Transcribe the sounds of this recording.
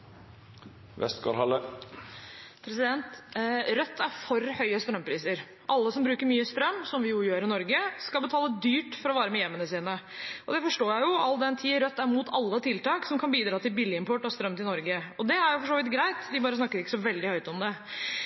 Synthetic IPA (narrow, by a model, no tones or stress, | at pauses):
ʋɛ̰st̪kɑ̰ɾhɑlːə | pʰɾɛsɪd̪ɛnt̪ɾœt̪ːæɾfɔɾhœʏəst̪ɾœmpʰɾiːsəɾ | ʔɑlːəsɔmbɾʉːkəɾmyːəst̪ɾœmːsɔmʋɪjʊjøːɾɪnɔɾɡəskɑlbət̪ʰɑːləd̪yːʈfɔɾɔʋɑːɾəmɛjɛmːənəsiːnə | ʔɔd̪ɛfɔʂʈoːjæɪjʊɑld̪ɛnt̪ʰiːəɾœt̪ːæɾmuːt̪ʰɑlːət̪ʰɪlt̪ɑːksɔmkʰɑnbiːd̪ɾɑːt̪ɪlbɪlːɪɪmpʰɔʈːɔst̪ɾœmt̪ɪlnɔɾɡəɔd̪ɛæɾjʊfɔʂoːʋɪt̪ɡɾæɪt̪d̪ɪbɑːɾəsnɑkːəɾɪkːə̥sɔʋɛld̪ɪhœʏt̪əɔmd̪ɛ